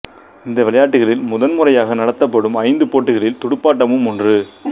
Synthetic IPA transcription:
ɪnd̪ɐʋɪɭɐjaːʈːɯɣɐɭɪlmʊðɐnmʊrɐjaːɣɐnɐɽɐt̪ːɐpːɐɽɯmɐɪnd̪ɯpoːʈːɯɣɐɭɪlt̪ʊɽɯpːaːʈːɐmɯmɔndrɯ

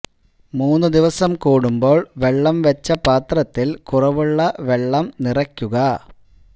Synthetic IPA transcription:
muːnːud̪iʋɐsɐmkuːɽumbo̞ːɭʋe̞ɭːɐmʋɐt͡ɕːɐpaːt̪rɐt̪ːilkurɐʋuɭːɐʋe̞ɭːɐmnirɐkʲːuɣɐ

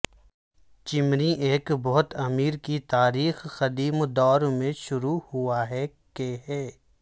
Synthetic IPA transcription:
t͡ʃɪmniʔeːkbɔɦʊt̪ɐmiːɾkit̪aːɾiːxxɐd̪iːmd̪ɔːɾmẽʃʊɾuhʊaɦɛ | keɦɛː

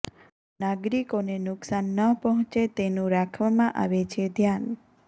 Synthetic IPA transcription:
naɡɾikonenʊksanːəpəɦɔ̃t͡ʃet̪enũɾakʰʋamãʔa̰ʋet͡ʃʰed̪ʱjan

